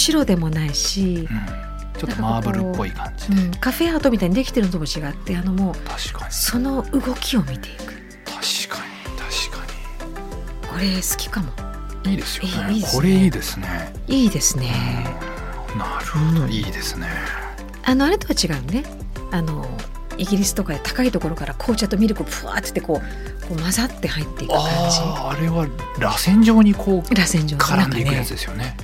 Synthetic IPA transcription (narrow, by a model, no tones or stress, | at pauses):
ɕiɾo̞d̪e̞mo̞naiɕiɯ̃ | notaːkokamaːkbɯɾɯpːo̞ikʰãɲd͡ʑid̪ɯ̃ɴkaɸe̞at̪o̞mʲit̪aiɲ̟id̪e̞kʲi̥t̪e̞ɾɯ̟not̪omot͡ɕiɡat̪ːe̞ano̞mo̞ːt̪ʰḁɕi̥kḁɲso̞no̞ɯ̟ɡo̞kʲio̞mʲit̪e̞ikɯ̟̥ | t̪ʰḁɕi̥kʰaɲit̪ʰḁɕi̥kʰaɲi̥ | ko̞ɾe̞sɨ̥kʲi̥kamo̞ | iːd̪esjeiːoɾeiːd̪e̞sɨne | iːd̪e̞sɨne | naɾɯhoiːd̪e̞sɨ̥ne | ano̞aɾe̞t̪o̞βat͡ɕiɡaɯ̟ne̞ | ano̞ | iɡʲiɾʲisɨ̥t̪o̞kad̪e̞t̪ḁkait̪o̞ko̞ɾo̞kaɾakʰo̞ːt͡ɕat̪o̞mʲiɾɯ̟ko̞pɯ̟a̰ːt̪ɨ̥t̪ːe̞ko̞ː | ko̞ːmazat̪ːe̞hait̪ːe̞ikkɯkãɲiːɾe̞βa | ɾasẽ̞ɲ̟d͡ʑo̞ːɲ̟ikʰoːɾasẽ̞ɲd͡ʑo̞ːkʰaaɾaand̪eikɯasɨd̪e̞sɨjo̞ne̞